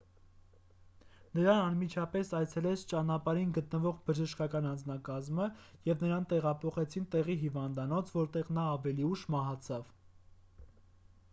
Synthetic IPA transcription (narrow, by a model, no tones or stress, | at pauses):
nəɾɑnɑnmit͡ʃʰɑpɛsɑjt͡sʰɛlɛt͡sʰt͡ʃɑnɑpɑɾinɡət̪nəvɔʁbəʒəʃkɑkɑnɑnd͡znɑkɑzməjɛvnəɾɑnt̪ɛʁɑpʰɔχɛt͡sʰint̪ɛʁiɦivɑnd̪ɑnɔt͡sʰvɔɾt̪ɛʁnɑːvɛliuʃmɑɦɑt͡sʰɑv̥